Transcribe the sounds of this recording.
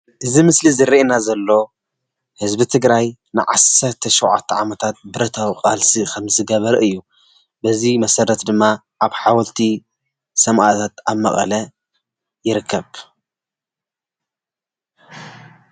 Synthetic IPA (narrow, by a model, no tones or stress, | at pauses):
ʔɨzimɨslizɨɾinazɐlːo̞ | hɨzbɨt̪ʰɨɡɾaj | nɨʕa̰sɐɾt̪ʰɐʃowʕa̰t̪ʰːɐʕamɐt̪ʰat̪̚bɨɾɐt̪ʰawqʼalsikʰɐmzɨɡɐβɐɾʔɨjːu | bɐzimɐsɐɾɐt̪d̪ɨmːa | ʔaβħawɐlt̪ʰi | sɐmʔa̰t̪ʰat̪aβmɐχʼɐ̰lɐ | jɪɾɨkʰːɐβ